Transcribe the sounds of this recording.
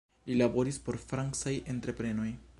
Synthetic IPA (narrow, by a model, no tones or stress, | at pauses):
lilabo̞ɾispo̞ɾfɾaŋksajʔe̞ntɾe̞pɾe̞no̞j